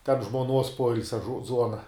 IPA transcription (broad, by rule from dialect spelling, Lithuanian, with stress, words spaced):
tʲɛn ʒmoːˈnuɔs ˈpoːɪlʲsʲɛ ˈzuɔnɐ